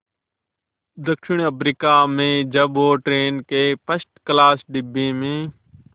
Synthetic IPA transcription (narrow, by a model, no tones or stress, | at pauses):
d̪əkʃɪɳəpɾiːkaːmẽːd͡ʒəɓoːʈɾeːnkeːpəsʈklaːsɖɪbẽːmẽː